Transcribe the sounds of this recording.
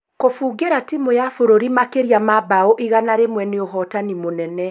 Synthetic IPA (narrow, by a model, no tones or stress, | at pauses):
kofuːɡeɾatimojafoɾoɾimakeɾjamabaoʔiɣanaɾemwɛneoɦɔtanimonɛnɛ